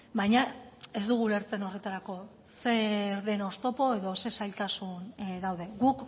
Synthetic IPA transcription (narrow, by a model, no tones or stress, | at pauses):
bajɲae̞zd̪uɣule̞ɾt͡se̞no̞re̞t̪aɾako̞ | se̞ɾðe̞nost̪o̞po̞e̞ðo̞se̞sajlt̪asunðawðe̞ɣuk